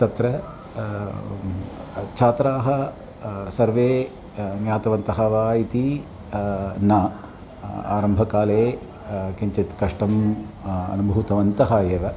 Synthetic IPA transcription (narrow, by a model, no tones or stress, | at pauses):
t̪ɐt̪ɾɐ | t͡ʃʰaːt̪ɾaːɦɐ | sɐɾʋeː | njaːt̪ɐʋɐnt̪ɐɦɐʋaːit̪i | nɐ | a̰ːɾɐmbʱɐkaːleː | kɐɲt͡ʃɐt̪kɐʂʈɐm | ɐ̰nubʱɐʋut̪ɐʋɐnt̪ɐɦaːjeːʋɐ